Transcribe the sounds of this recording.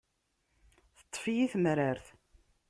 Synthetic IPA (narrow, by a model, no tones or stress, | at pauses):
θə̥t̪ˤːfijiθmɾaɾθ